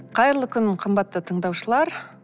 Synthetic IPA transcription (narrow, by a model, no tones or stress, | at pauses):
qʰɑjəɾəlˠəkʲʰʏnqʰəmbɑt̪ːət̪ʰəɴd̪ɑwʃəlˠɑɾ